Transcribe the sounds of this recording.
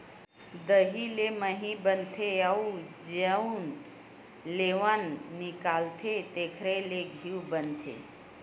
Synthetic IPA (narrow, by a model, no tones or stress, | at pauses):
d̪əɦileməɦĩbənt̪ʰeaud͡ʒəun | leʋanːikalt̪ʰet̪ekʰɾeleɡʱiubənt̪ʰḛ